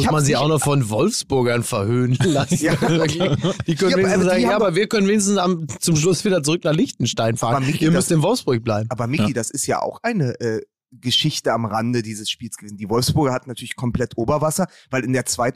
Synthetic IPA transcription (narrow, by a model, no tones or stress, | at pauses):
ʊmanziçaʊxnɔχfɔnvɔlfsb̥ʊɐɡɐnfɛɐhøːnənlasɪɐklçd̥iːkœnəeːɪn̩szaːɡŋjjaːaabɐviːɐkœnənveːnɪç̬stn̩samt͡sʊmʃ̬lʊsv̥iːdɐt͡suʁʏknaːχlɪçtn̩ʃtaɪnfaːʁənmɪiːɐmʏstɪnvɔlfsb̥ʊɐçb̥laɪbm̩aːbɐmɪkːidasɪstja̰ːʔa̰ʊxʔaɪnəʔɛː | ɡəʃɪçtəamʁandədiːzəsʃpiːlsɡ̥əveːzn̩diːvɔlfsb̥ʊɐɡɐhatn̩natʰyɐlɪçkʰɔmpl̥ɛtʰʔoːbɐvasɐ | vaɪlɪndeːɐt͡sv̥aɪt